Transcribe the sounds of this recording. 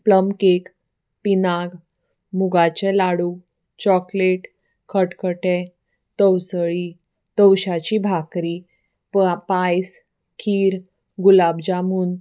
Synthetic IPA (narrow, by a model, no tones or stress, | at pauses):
pləmkek | pinaɡ | muɡat͡ɕɛlaɽu | t͡ɕɔkleʈ | kʰəʈkʰəʈɛ | t̪əwsɭi | t̪əwɕat͡ɕibʱakɾi | pajs | kʰiːɾ | ɡulab̚d͡ʑamuːn